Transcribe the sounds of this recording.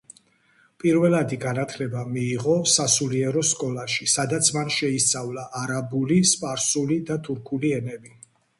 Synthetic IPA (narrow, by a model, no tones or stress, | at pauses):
pʼiɾvɛlˠad̪iɡanat̪ʰlɛbamiːʁɔsasuliɛɾɔskʼɔlaʃisad̪at̪sʰmanʃɛist̪sʼavlaʔːɾabulispʼaɾsulid̪at̪ʰuɾkʰuliɛnɛbi